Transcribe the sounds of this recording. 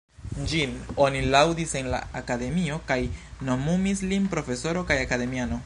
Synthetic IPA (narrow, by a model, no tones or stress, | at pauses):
d͡ʒino̞nilawdise̞nla̰akade̞mio̞kajno̞mumislinpɾo̞fe̞so̞ɾo̞kajakade̞miano̞